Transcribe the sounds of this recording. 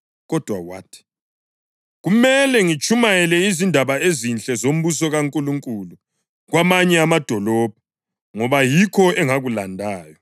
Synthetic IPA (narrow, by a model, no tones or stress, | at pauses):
ɣɔd̥ʱwawa̰tʰi̥ | ɣumɛlɛŋit͡ʃʰʼumajɛlɛizindʱaβaezint͡ɬʼɛzom̩βus̬ɔɣaŋkʼuluŋkʼulu | ɣwamaɲɛamad̥ʱɔlɔb̥̚ʱa | ŋɔβajikʰɔɛŋaɣulandʱaːjɔ